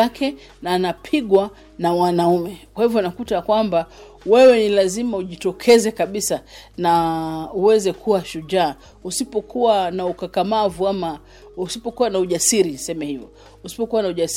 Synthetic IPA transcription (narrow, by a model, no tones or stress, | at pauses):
akʰɛ | naːnapʰiɠwa | nawanaumɛkwahivjɔnakutakwamba | wɛwɛnilazimauʄitɔkʰɛzɛkaɓisanauwɛzɛkʰuwaʃuʄaː | usipɔkuwanaukakamavuama | usipɔkuwanauʄasiɾinsɛmɛhivjɔ̰ | usi̥pɔkuwanauʄas